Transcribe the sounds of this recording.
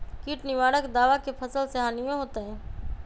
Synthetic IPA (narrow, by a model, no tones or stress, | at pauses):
kiːʈnɪʋaːɽəkd̪aːʋakʰeːpʰəsəlseɦaːnɪjõɦoːt̪aẽː